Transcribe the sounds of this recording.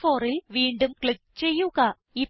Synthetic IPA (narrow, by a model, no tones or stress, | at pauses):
fo̞ːrilʋiːɳɖumkɭikt͡ɕe̞jːuɣɐ | i